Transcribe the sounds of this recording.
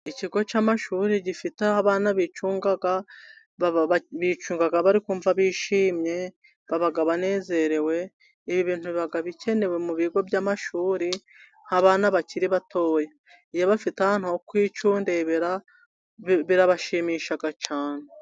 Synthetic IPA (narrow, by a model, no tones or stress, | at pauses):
iciɡo̞t͡ʃaːmaʃuːɾiɟifitehaβaːnaβit͡ʃuːŋɡaɡa | βit͡ʃuːŋɡaɡaβaɾikuːɱvaβiːʃiːmɲe̞ | βaβaɡaβane̞ːze̞ɾe̞we̞ | iβiβiːn̥huβiβaɡaβice̞ne̞we̞muβiɡo̞bjaːmaʃuːɾi | nhaβaːnaβaciɾiβatʰo̞ːje | ijoβafitahaːn̥uokwiːt͡ʃuːndeβiɾa | βiɾaβaʃiːmiːʃaɡat͡ʃaːn̥e